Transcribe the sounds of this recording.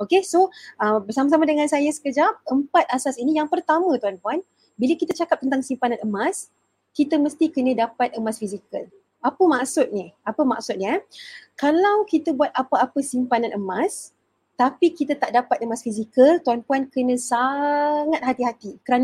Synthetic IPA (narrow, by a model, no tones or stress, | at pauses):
okesoʔəmbərsamas̬amadəŋãnsajasə̥kəd͡ʒap̚əmpat̪̚asasinijaŋpərt̪amə̃t̪uanpuan | biləkit̪at͡ʃakap̪̚ənt̪̬aŋsimpanãnəmas | kit̪əməst̪ikənə̃dapat̪̚əmasfizikəl | apəmaksʊt̪̚nihapəma̰ksʊt̪̚nakalawkit̪əbuwat̪̚apəapəsimpanãnʔəmas | t̪apikit̪at̪aʔdapat̪̚əmasfizikəlt̪uanpuankənə̃saŋat̪̚ɦat̪iɦat̪ikəɾan